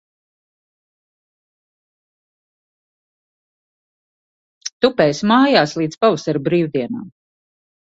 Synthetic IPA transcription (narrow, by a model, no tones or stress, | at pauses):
t̪upɛːjsmaːjaːslˠiːd̪pavasaɾbɾiːwd̪iɛna̰ːm